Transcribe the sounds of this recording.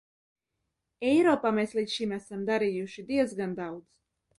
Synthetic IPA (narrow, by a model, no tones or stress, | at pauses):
ɛjɾɔːpaːmeːsliːt̪ʃimæsamd̪aɾijuʃid̪iɛzɡand̪awd̪z